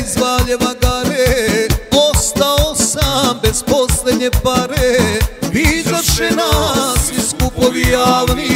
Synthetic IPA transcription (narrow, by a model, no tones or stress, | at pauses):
izʋaʎeʋaɡaɾe | ost̪aosambez̥posled̪ɲepaɾe | izaʃenasiskupoʋijaːʋni